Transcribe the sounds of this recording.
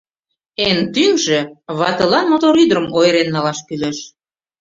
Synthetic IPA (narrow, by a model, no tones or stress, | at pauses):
ent̪yŋʒĕβɑt̪ɤ̆lɑnmot̪oɾyd̪ɾəmʔojɾenːɑlɑʃkyleʃ